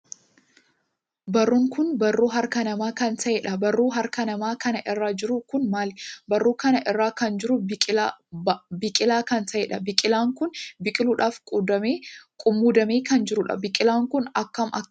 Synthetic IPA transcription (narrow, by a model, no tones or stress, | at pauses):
bɐrːʊŋkʊnbɐrːuːɦɐɾkɐnɐmaːkɐnt̪ɐʔɛːᶑɐbɐrːuːɦɐɾkɐnɐmaːkɐnɐʔɪrːaːd͡ʒɪɾʊkʊnmaːlbɐrːuːkɐnɐʔɪrːaːkɐnd͡ʒɪɾʊbʼɪ | bɪkʼɪlaːkɐnt̪ɐʔeːᶑɐbɪkʼɪlaːŋkʊnbɪkʼɪluːᶑaːfkʼuːd̪ɐmeːkʼʊmːuːd̪ɐmeːkɐnd͡ʒɪɾʊᶑɐ̰bɪkʼɪlaːŋkʊnɐkːɐmʔɐ̰